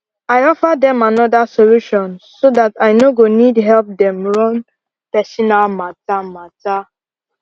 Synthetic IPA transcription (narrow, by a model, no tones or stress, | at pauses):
ajɔfadɛ̃manɔdasoluʃɔ̃nsodataɪnoɡonidɦɛlp̚dɛ̃mɹɔ̃n | pɛsʃɔnalmatamata